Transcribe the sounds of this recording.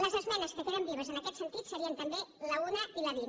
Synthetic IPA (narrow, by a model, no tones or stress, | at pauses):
ləzezmenɐskek̪eɾambiβ̞əzenakɛt̪sent̪it̪seɾiənt̪ambelaunɐilɐβi